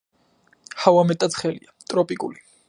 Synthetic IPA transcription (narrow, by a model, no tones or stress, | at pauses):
hawamɛt̪ʼat̪sʰχɛlḭat̪ʼɾɔpʼikʼṵli